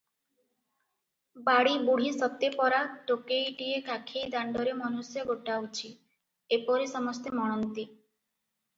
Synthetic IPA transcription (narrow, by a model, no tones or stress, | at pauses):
baɽibuɽ̤isɔt̪epɔɾaʈokejʈiekʰakʰejd̪aɳɖɔɾemɔnusjɔɡoʈawt͡ʃʰi | epɔɾesɔmɔst̪emɔɽ̃ɔnt̪i